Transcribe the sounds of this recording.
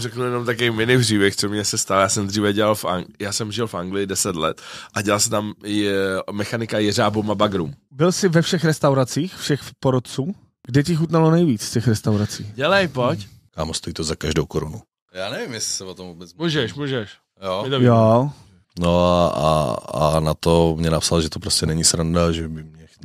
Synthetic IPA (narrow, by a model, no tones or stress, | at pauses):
rɛkl̩jɛnomt̪akovejmɪnɪpriːbjɛxt͡somɲɛsɛst̪aljaːsɛmd̪riːvɛɟɛlalfʔa̰ŋjaːsɛmʒɪlfaŋɡlɪjɪdɛsɛt̪lɛ̰t̪ʔaɟɛlals̬ɛt̪amː | ɛxanɪkajɛr̝aːbomabaɡɾumbɪlsɪvɛfʃɛxɾɛst̪awɾat͡siːxfʃɛxpoɾot̪̚t͡suː | ɡ̥dɛcɪxut̪nalonɛjviːt͡sfcɛxɾɛst̪awɾat͡siːɟɛlɛjpoc | kaːmost̪ojiːt̪ozakaʒdowkoɾunu | jaːnɛvɪmjɛsɪ̥sɛvot̪omvubɛt͡smuʒɛʃmuːʒɛʃ | joɪt̪ojo | noaa̰a̰nat̪omɲɛnapsalʒɛt̪opɾoscɛnɛɲisɾandaʒɛbɪmɲɛx